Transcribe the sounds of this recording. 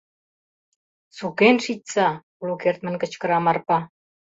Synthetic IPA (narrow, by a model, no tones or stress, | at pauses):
sukenʃitʲt͡sɑ | lukert̪̚mə̆nkə̆t͡ɕkə̆ɾɑmɑrpɑ